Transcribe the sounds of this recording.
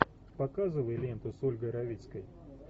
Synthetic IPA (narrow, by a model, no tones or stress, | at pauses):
pɐkazɨvəjlʲent̪ʊsolʲɡəjɾɐvʲit̪skəj